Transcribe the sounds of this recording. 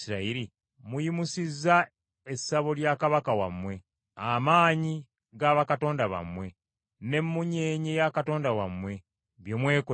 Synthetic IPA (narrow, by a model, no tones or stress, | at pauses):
iɾaiɾi | mujimusizːa | esaβo̞ljakaβakawa̰mwe̞ | amaːɲi | ɡaβakato̞ːndaβa̰mwe̞ | ne̞mːuɲe̞ːɲejakato̞ːndawa̰mwe̞ | βjomwe̞ːko